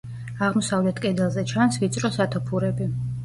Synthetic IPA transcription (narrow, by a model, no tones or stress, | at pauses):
aʁmɔsavlɛt̪ʰkʼɛd̪ɛlˠzɛt͡ʃʰansvit̪sʼɾɔsat̪ʰɔpʰuɾɛbi